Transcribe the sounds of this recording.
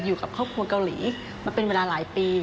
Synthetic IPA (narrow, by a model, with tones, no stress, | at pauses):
juː˨˩ka˨˩p̚kʰɔː˥˩p̚kʰu˧ɐka˧wlḭː˩˦ | maː˧pe˧nweː˧laː˧laː˩˦jpiː˧